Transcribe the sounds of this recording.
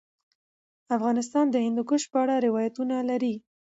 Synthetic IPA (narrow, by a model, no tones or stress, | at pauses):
afɣɑnɪs̬t̪ɑnd̪əhɪnd̪ukəʃpəaɽaɾɪwɑjat̪unalaɾi